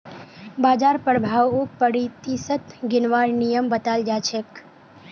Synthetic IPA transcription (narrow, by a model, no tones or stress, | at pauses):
bad͡ʒaɾpəɾbʱaʋuk̚pəɽit̪isət̪ɡɪnʋaɾnijəmbət̪ald͡ʒat͡ʃʰek